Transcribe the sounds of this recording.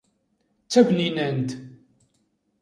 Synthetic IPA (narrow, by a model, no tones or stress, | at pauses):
t͡sːævninænt̪